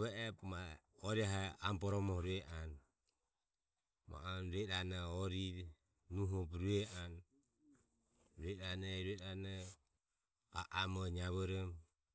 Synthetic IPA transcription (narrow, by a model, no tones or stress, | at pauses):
βɛʔɛpmaɔɾiaɦaambɔɾɔmɔhɾuɛʔan | ma̰ʔanɾuɛɾanaɔɾiɾ | nuɦupɾuɛʔan | ɾuɛɾanɛɾuɛɾana | a̰ʔamɔɲaβɔɾɔm